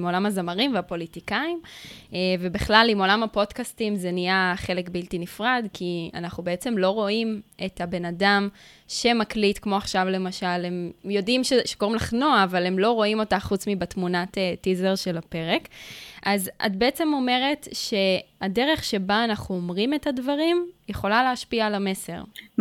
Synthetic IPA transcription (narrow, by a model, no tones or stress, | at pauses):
mo̞lamazamaʁimveapo̞litikaimeve̞biχlalimo̞lamapo̞dkastimzenijaχe̞lekbiltinifʁadkia̰naχubeet͡se̞mlo̞ʁo̞ime̞tabe̞nadam | ʃe̞maklitkmo̞aχʃavle̞maʃalhe̞mjo̞dimʃeʃeko̞ʁimlaχnoaːvalemlo̞ʁo̞imo̞taχut͡smibatmunatetizeʁʃe̞lape̞ʁekʔazʔa̰t̚beet͡se̞mo̞me̞ʁe̞tʃe̞adeʁe̞χʃe̞baːnaχuomʁimethadvaʁimjeχo̞laleaʃpialame̞se̞ʁ